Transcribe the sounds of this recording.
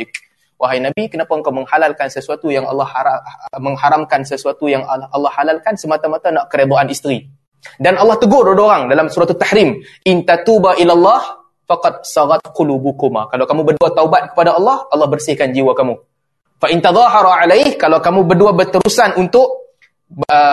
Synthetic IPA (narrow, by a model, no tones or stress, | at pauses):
k | waɦajnabikənapaəŋkawməŋhalalkansəsuat̪ujaŋɑ̰lːɑhaamə̃ŋhaɾamkansəsuat̪ujaŋʔɑlːɑhːalalkansəmat̪amat̪anaʔkəɾed̪ˤoʔanist̪ɾi | danʔɑlːɑht̪əɡʊrodoɾaŋdalamsuɾat̪ut̪ːaħɾimʔint̪at̪ubaʔilalːɑh | fɑqɑd̪̚sɑɣɑt̪̚qʊlubukuma̰kalawkamũbərduat̪aubat̪̚kə̥padaɑlːɑhɑlːɑhbərsɪhkand͡ʒiwakamũ | faʔɪnt̪aðˤɑɦɑɾˤɑʕalahkalawkamũbərduabət̪əɾusanunt̪ʊʔ | ə